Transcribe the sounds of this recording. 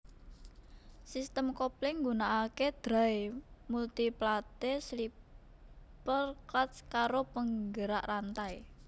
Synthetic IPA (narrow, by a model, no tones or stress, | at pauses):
sist̪əmkɔplɪŋɡunaʔaked̪̥ɾa̤emult̪iplat̪esli | pərklatskaɾopəŋɡəɾaʔrant̪ae